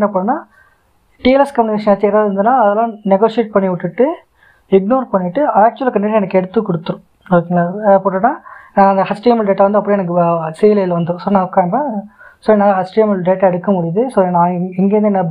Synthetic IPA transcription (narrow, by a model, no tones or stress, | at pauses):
nːɐpoːɽɯnːaː | ʈiːɛlɛskɐmjʊnɪkeːʂɐnɐt͡ʃːeːɾaːðɯɾɯnd̪ɯnːaːɐðɐlãːnɛɡoːʂɪeːʈ̚pɐɳːiʋɪʈːɯʈːɯ | ɪɡnoːɾpɐɳːɪʈːɯaːk̚t͡ʃuɐlkɐɳɖeːʈːɐɛnɐkːɛɽɯt̪ːɯkːɔɽɯt̪ːɯɾʊ̃ | ɾokːiŋɐlapoːɽɯnːaːnãːɐnd̪ɐhɐsʈiːmɐlɖeːʈːaʋɐnd̪ɯɐpːɐɽiɛnɐk̬ːɯseːlɐlʋɐnd̪ũsoːnãːʊkːaːɐmbɐsoːɛnɐhɐsʈiːmɐlɖeːʈːɐɛɽɯkːɐmʊɽɪjɐðɯsoːnãːɛŋɡeːʋɐnd̪ɯnːɐ